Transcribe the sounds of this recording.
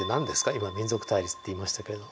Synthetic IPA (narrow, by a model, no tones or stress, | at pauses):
enãnd̪e̞sɨ̥kaimamʲĩnzo̞kɯ̟̥t̪aiɾʲist̪ːe̞imaɕi̥t̪ake̞ɾe̞d̪o